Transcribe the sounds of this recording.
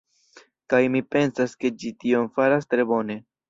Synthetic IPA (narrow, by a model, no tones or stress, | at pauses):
kajmipe̞nsaske̞d͡ʒitio̞mfaɾastɾe̞bo̞ne̞